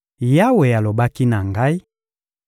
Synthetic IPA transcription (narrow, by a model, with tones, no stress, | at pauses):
ja˦we˨ja˨lo˨ba˦ki˦na˨ŋɡa˦i˦